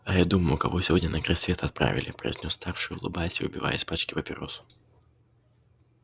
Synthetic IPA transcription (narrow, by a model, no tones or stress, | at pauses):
ɐjad̪uməjʊkavɔsʲvɔd̪ʲnʲɐnɐkɾasʲvʲeɛt̪ɐt̪̚pɾa̰vʲɪ̰lʲɪ̰pɾɐ̰jiznʲɔsːt̪arʂɨjʊlˠɨ̰balʲsʲʊ̰bʲiva̰jɛspat͡ʃkʲipɐpʲɪɾɔ̰sʊ̥